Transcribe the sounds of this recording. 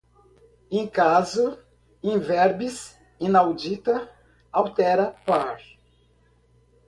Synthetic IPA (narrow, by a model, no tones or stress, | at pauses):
ẽj̃kazʊ | ẽvɛɾbis | ĩnawd͡ʒit̪ɐ | awt̪ɛɾɐpaɾ